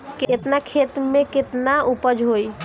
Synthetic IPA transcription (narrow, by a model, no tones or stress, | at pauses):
ket̪nakʰet̪mẽket̪naupəd͡ʒɦoi